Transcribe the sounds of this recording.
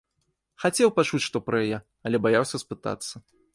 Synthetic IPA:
xat͡sʲɛwpat͡ʂut͡sʲʂt̪ɔpɾɐjajɛ | ɐlʲɛbajawsʲɐspɨt̪a̰t̪sːɐ

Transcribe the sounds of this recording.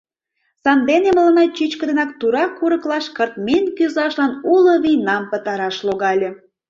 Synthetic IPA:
sɑnd̪enemələnɑt͡ɕit͡ɕkəd̪enɑk̚t̪uɾɑkːuɾəklɑʃkərt̪̚minkyzɑʃlɑnuloβijnɑmpət̪ɑɾɑʃloɣɑlʲe

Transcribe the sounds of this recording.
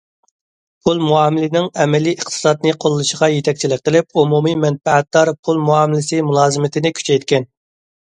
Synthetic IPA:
pʰulˠmuɑːmɪlɪnɪŋɛmɛliəχt̪ʰɨ̥sɑd̪̚nɨqʰolˠːɨʃəʁɑjet̪ʰɛk̚ʲt͡ʃʰilɪk̚ʲqəlɪp̚umumimɛnfɛɛt̪̚d̪ɑɾpʰulˠmuɑːmɪlɪsɨmulˠɑːzɨmɪt̪ʰɪnɪkʲʰy̥t͡ʃʰɛjt̪kʲɛn

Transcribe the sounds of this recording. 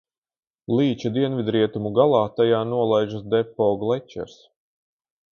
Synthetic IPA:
lˠiːt͡ʃad̪iɛnvʲid̪ɾiɛt̪umuɡalˠɑːt̪ajaːnuɔlˠajʒasd̪ɛpːɔɡlˠɛt͡ʃɛ̰ɾs

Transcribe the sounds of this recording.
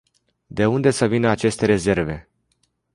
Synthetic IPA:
d̪e̞und̪e̞səvinəat͡ʃe̞st̪e̞ɾe̞ze̞rve̞

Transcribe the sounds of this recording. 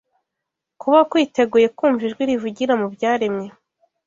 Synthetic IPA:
kʰuβakwiːte̞ɡuje̞kuːɱviʒɡwiɾivuɟiɾamubɟaːɾemɲe̞

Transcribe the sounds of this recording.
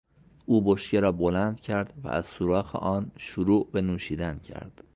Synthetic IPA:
ʔuːboʃceɾɒːbolænd̪̥cʰæɾd̪̥væ̰ʔæz̥suɾɒːxḛʔɒːnʃuɾuːʔbe̞nuːʃiːd̪æncʰæ̰ɾd̪̥

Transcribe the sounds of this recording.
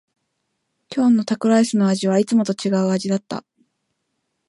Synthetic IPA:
kʲo̞ːnːo̞t̪akɯ̟ɾaisɨno̞aʑiβait͡sɨmo̞t̪o̞t͡ɕiɡaɯ̟aʑid̪at̪ːa̰

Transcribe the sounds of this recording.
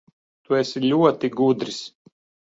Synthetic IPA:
t̪uɛsilʲuɔt̪iɡud̪ɾis

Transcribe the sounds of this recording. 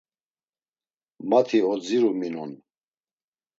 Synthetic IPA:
mat̪ʰiɔd͡ziɾuminun

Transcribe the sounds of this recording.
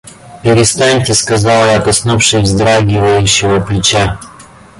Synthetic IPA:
pʲɪɾʲɪst̪anʲtʲɪskɐzɑlˠjat̪ɐsnufʂɨjvzd̪ɾaɡʲɪvəjʉɕːɪvəplʲɪt͡ɕa

